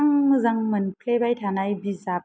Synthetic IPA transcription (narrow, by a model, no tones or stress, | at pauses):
ŋmɯzaŋmɯnpʰlebajtʰanajbiza